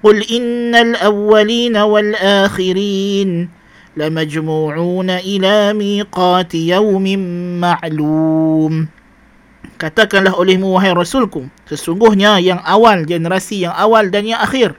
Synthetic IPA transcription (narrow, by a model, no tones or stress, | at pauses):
qʊlʔɪnːalʔawːaliːnawalʔaːxɪɾiːn | lamad͡ʒmuːʕuːnaʔɪlaːmiːqɑːt̪jawmɪmːaʕluːm | kat̪akanlaɦʔolɛhmuwaɦajɾɑsuːlkʊsəsuŋɡʊhɲajaŋʔawald͡ʒɛnɾasijaŋʔawaldanjaŋʔaxiːr